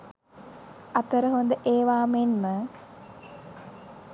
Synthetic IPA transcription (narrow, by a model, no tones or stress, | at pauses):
at̪əɾəɦond̪əʔeːʋaːmenmə